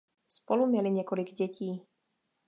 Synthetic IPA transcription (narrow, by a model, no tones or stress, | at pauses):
spɔlumɪɛliɲɛkɔliɡɟɛciː